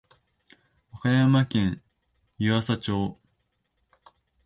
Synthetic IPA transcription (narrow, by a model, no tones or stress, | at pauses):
okajamakẽ̞ɰ | jɯ̟βasat͡ɕo̞ː